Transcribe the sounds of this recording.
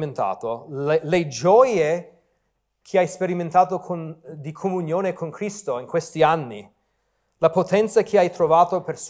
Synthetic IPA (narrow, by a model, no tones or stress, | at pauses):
ent̪a̰ːt̪oeled͡ʒɔje | kʰeajspeɾiment̪aːt̪okʰond̪ikʰomunjoːnekʰonkɾist̪oiŋkwest̪ianːḭ | lapot̪ɛnt̪sakʰeajt̪ɾovaːt̪opers